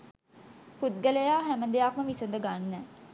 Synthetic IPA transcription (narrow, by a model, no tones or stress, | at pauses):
put̪̚ɡələjaːɦæmənd̪eak̚məʋisənd̪əɡanːə